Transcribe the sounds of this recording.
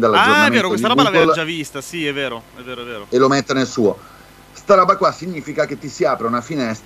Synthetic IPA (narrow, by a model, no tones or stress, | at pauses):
d̪alːad͡ʒornamenːɾooesdiaɾɔɡaɡold͡ʒavist̪asiɛveːɾoɛveːɾoɛveːɾoelomet̪ːenelsuːo | st̪aɾɔːbakwasːiɲːiːfikak̟et̪ːisiaːpɾeunafinɛst̪